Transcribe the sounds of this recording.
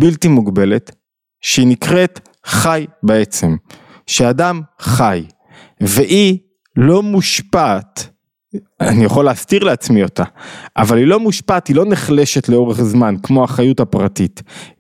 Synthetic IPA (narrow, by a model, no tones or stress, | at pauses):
biltimuɡbe̞le̞t | ʃeinikʁe̞t | χajbeet͡se̞m | ʃeadamχaj | veʔi | lo̞muʃpat | anijaχoleːstiʁleat͡smio̞taʔavalilo̞muʃpathilo̞neχle̞ʃetleo̞ʁeχzmankmo̞aχajutapʁatit